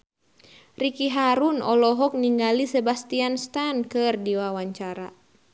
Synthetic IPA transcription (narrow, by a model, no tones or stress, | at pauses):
rikiɦaɾunɔlɔɦɔk̚niŋɡalisɛbast̪ianst̪ankɨrdiwawaɲt͡ʃaɾa̰